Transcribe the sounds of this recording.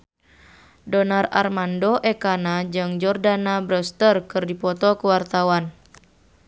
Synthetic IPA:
dɔnara̰rmandɔʔɛkanad͡ʒɨŋd͡ʒɔrdanabɾɔst̪ərkɨrdipɔt̪ɔkuwart̪awan

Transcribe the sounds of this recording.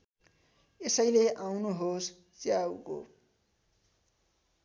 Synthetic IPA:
esʌjleʔawnuɦos | t͡sjawko̰

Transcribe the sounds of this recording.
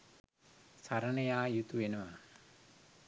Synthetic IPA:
saɾənəjaːjut̪uʋenəʋa

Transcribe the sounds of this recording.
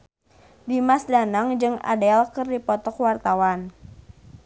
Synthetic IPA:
dimasdanaŋd͡ʒɨŋa̰dɛlkɨrdipɔt̪ɔkwart̪awan

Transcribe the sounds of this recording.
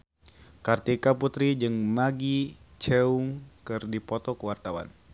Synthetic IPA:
kart̪ikaput̪ɾid͡ʒɨŋmaɡit͡ʃɛuŋkɨrdipɔt̪ɔkəwart̪awa̰n

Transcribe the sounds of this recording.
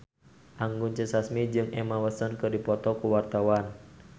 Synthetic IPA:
ʔaŋɡunt͡ʃəsasmid͡ʒɨŋɛmawəsənkɨrdipɔt̪ɔkuwart̪awan

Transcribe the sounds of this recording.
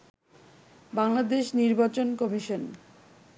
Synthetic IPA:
baŋlad̪eʃniɾbat͡ɕonkɔmiʃon

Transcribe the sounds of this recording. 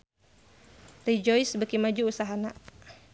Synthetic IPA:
rid͡ʒɔjsbəkimad͡ʒuːsaɦana

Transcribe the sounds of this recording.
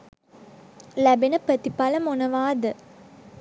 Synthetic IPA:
læbenəpət̪ipaləmonəʋaːd̪ə

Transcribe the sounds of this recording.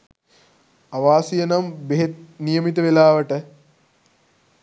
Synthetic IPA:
aʋaːsijənambeɦet̪̚nijəmit̪əʋelaːʋəʈə

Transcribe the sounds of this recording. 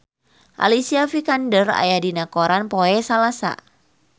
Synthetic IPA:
ʔa̰lisiafikandəra̰jadinakoɾanpoɛsalasa̰

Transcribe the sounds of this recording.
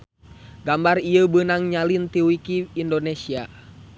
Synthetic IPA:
ɡambariəbənaŋɲalint̪iwikiːndonesia

